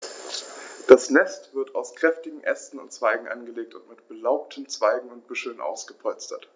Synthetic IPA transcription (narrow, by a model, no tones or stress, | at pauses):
d̥asnɛstv̥ɪɐtaʊskʁ̥ɛftɪɡŋ̩ʔɛ̰stn̩ʊntt͡sv̥aɪɡŋ̩ʔa̰nɡəleːk̚tʊntmɪtb̥əlaʊp̚tʰəmt͡sv̥aɪɡŋ̩ʊnt̚b̥ʏʃl̩nʔa̰ʊsɡ̥əpʰɔlt͡stʰɐt